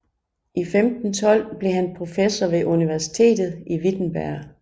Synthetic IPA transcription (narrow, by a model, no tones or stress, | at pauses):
ʔifemd̥n̩t͡sʰɒ̽l̰b̥le̝ɦænpʰʁo̝fesɐʋe̝ʔuniʋæɐsi̥t͡sʰe̝̰ːd̥ð̩ˠiʋid̥n̩b̥æɐ̰